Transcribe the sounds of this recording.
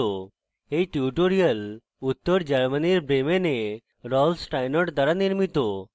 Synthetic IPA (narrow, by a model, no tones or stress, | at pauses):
o | ɦeiʈiuʈoɾijəl | ut̪ːəɾd͡ʑəɾməniɾbɾemene | ɾɔlsʈajnɔʈd̪aɾaniɾmit̪o